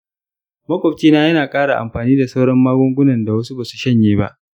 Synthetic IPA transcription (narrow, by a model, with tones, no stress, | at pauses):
mɐ˦kʷɔ˨t͡ʃiː˦naː˦jɐ˦naː˨kʼaː˦ɽa˨ʔa̰˨mɸaː˨niː˦da˨sɐ˦wɽɐ˦mːaː˦ɡʷʊ˦ŋɡʷʊ˦nɐ˨nda˨wɐ˦su˦baː˨su˨ʃɐ˦ɲjeː˦ba̰˦ʔ